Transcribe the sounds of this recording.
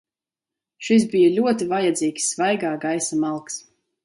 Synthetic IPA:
ʃis̬bijalʲuɔt̪ivajad̪ziːksːvajɡaːɡajsamalˠks

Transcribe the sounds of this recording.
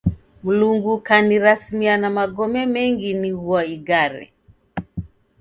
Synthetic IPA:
muluŋɡukaniɾasmianamaɡɔmɛmɛŋɡiniɣuwaiɡaɾɛ̰

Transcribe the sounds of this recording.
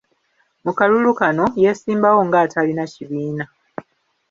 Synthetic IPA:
mukalulukano̞je̞siːmbawo̞ŋɡaːtʰalinaciβiːna

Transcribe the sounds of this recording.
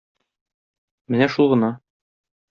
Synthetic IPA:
mɘnæʃulˠʁɤ̆nɑ

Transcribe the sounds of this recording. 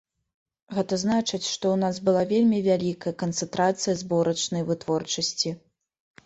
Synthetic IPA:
ɣɛt̪ɐznat͡ʂɨt͡sʲʂt̪ɔwnasbɨlˠavʲelʲmʲivʲalʲikɐjɐkɐnt̪sɛnt̪ɾat̪sɨjɐzbɔɾɐt͡ʂnɐjvɨt̪vɔrt͡ʂɐsʲt͡sʲi

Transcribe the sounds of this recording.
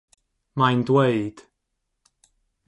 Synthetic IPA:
majndweɨd̥

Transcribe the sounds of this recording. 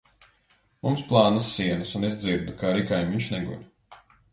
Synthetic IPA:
mumsplˠɑːnɐsːiɛnusunizd̪ziɾd̪ukaɾikajmiɲʃnɛɡṵɾ

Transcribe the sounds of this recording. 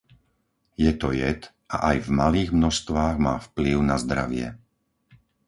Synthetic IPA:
jɛt̪ɔjɛt̪ | ʔa̰ʔajvmaliːɣmnɔʃst̪ʋaːɣmaːfpliʊnazd̪ɾa̰ʋɪɛ̰

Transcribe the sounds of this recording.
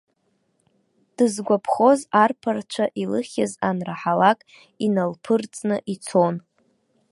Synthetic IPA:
d̥ɨzɡʷapʰχo̞zarpʰart͡ʃʷʰaʔilɨχʲazanraħalakʼ | inalpʰɨrt͡sʼnɨʔit͡sʰon

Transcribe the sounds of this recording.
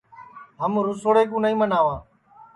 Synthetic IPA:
ɦəmɾʊsoːɽeːk̬ũːnəĩːmənaːʋãː

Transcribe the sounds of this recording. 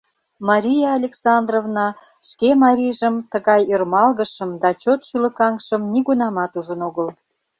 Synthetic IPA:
mɑɾʲijɑːlʲeksɑnd̪rovnɑ | ʃkemɑɾʲiʒəmt̪əɣɑjørmɑlɣəʃəmd̪ɑt͡ɕot̪ʃylə̆kɑŋʃəmniɣunɑmɑt̪uʒənoɣəl

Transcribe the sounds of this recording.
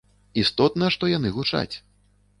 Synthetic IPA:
ist̪ɔt̪nɐʂt̪ɔjanɨɣut͡ʂa̰t͡sʲ

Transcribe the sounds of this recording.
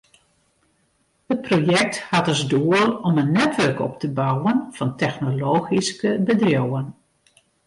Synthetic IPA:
hət̚projɛk̚thatɔzduərɔmənːɛtʋørkɔ̰p̚təbawənv̥ɑntɛxnoloːxiskəbədrjowən

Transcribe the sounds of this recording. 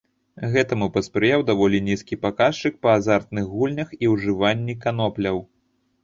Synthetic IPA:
ɣɛt̪ɐmupɐspɾɨjawd̪avɔlʲinʲiskʲipakast͡ʂɨk̚pɐːzart̪̚nɨɣɣulʲnʲɐxiwʐɨvanʲːikanɔplʲɐw

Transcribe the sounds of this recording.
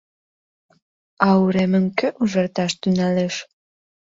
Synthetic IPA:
ɑuɾemɘ̆ŋkɘ̆ʔuʒɑrt̪ɑʃt̪ynæleʃ

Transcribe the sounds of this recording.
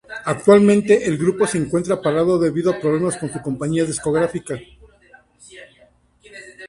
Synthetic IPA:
ak̚t̪walmẽ̞nt̪e̞ʔelɣɾupo̞se̞ːŋkwe̞nt̪ɾapaɾaðo̞ðe̞βiðoapɾoβlemasko̞nsuko̞mpaɲiaðisko̞ɣɾafika

